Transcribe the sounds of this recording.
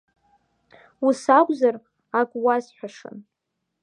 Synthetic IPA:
usakʷʼzar | akʷʼwazħʷᶣaʂɨ̰n

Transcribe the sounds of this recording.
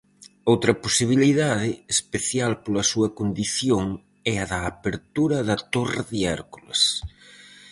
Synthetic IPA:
owt̪ɾɐposiβiliðaðɪespeθjalpolɐsuɐkond̪iθjoŋ | ɛɐðɐːpeɾt̪uɾɐðɐt̪orðiɛɾkulḛs

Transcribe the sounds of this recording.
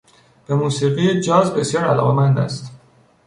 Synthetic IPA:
b̥e̞muːsiːɣied͡ʒɒːzbe̞sjɒːɾælɒːɣe̞mænd̪æ̰st̪

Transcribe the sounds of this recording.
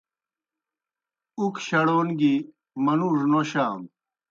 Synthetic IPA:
ukʰɕɐɽoːnɡi | mɐnuʐnoɕaːm

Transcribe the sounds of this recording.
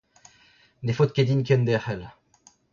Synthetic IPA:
lefot̪̚kʲed̪inkʲɛnd̪ɛħɛl

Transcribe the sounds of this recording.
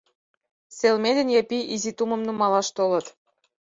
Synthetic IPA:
selmed̪ɘ̆nʲjɑpiʔizit̪umə̆mnumɑlɑʃt̪olɤ̆t̪

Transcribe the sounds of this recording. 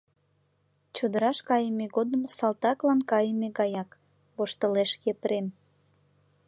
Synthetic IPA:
t͡ɕod̪əɾɑʃkɑjəmeɣod̪əmsɑlt̪ɑklɑnkɑjəmeɣɑjɑk | βoʃt̪əleʃkepəɾem

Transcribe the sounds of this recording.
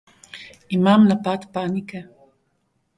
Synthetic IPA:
imamnapat̪paːnikɛ

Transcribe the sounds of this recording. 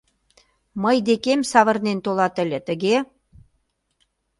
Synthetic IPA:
məjd̪ekemsɑβə̆rnent̪olɑt̪ə̆lʲĕt̪ə̆ɣe

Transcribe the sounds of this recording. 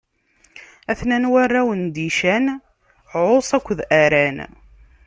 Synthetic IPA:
æθnænwarːæwənd̪iʃæn | ʕosˤækʷːðæɾæn

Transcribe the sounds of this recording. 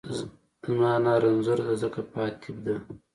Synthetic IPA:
zmɑːnaːɾɐnzuɾd̪azəkapɑːt̪ʰib̚d̪a

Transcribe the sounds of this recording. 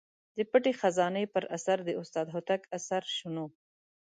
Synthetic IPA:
d̪əpəʈexazɑnəjpəɾasaɾd̪əʊst̪ɑd̪ɦʊt̪akasaɾʃuno

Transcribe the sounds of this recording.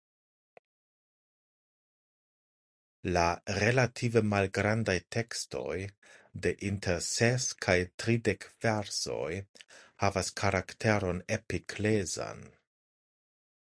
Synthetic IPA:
laɾe̞latʰivemalɡɾandajtʰe̞kstʰo̞̰j | de̞ʔintʰeɾseskʰajtɾidekv̥eɾso̞̰jhavaskʰaɾaktʰe̞ɾo̞nepikʰleza̰n

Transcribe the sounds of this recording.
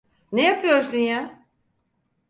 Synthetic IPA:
nejapʰɯjoɾzd̪ynja

